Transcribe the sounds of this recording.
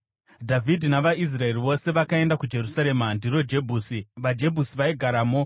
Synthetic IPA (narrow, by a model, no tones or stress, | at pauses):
dʱavʱidʱinaʋais̬rae̞riʋo̞se̞ʋakae̞ndakud͡ʒe̞rusaɾe̞mandiɾo̞d͡ʒe̞bʱuːsiʋad͡ʒe̞bʱusiʋaiɡʱaɾaːmo̞